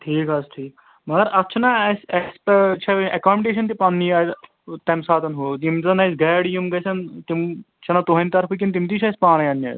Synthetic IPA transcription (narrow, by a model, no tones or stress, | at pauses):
ʈʰiːkɐsʈʰiːk | mɐɡɐɾɐt͡ʃʰɐnaɐsɐspt͡ʃʰɐʔɐkaːmʲɖeːʃɐnt̪ipanːiɐ | t̪ɐmsaːt̪ɐnɦoːt̪imɐnɐsɡɛːɽjumɡɐsɐnt̪im | t͡ʃʰɐnɐt̪oɦɐ̃nʲt̪ɐɾpʰukʲint̪̬imt̪̬iːt͡ʃʰɐspaːɽ̃ɐjɐnːɐ̰ː